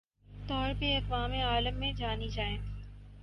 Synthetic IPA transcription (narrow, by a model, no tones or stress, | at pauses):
t̪ɔːɾpeɐkʋaːmeaːləmːẽd͡ʒaːnid͡ʒaːẽː